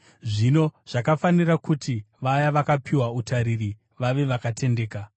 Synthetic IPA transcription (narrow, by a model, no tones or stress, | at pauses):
ʐino̞ʐ̥akafanirakuti | ʋajaʋakapʰiwautaɾiri | ʋaʋe̞ʋakatʰe̞ndeːka